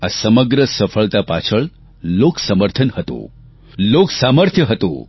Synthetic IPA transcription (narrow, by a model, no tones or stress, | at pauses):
asəməɡɾəsəfʰəɭt̪apat͡ʃʰəɭ | loksəməɾt̪ʰənhət̪õ̰ | loksaməɾt̪ʰjəɦət̪õ̰